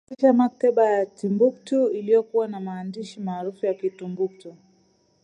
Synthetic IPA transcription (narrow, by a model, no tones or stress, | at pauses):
iʃamak̚taɓajatimbuk̚tuilijɔkuwanamaːndiʃimaːɾufujakitumbuk̚tu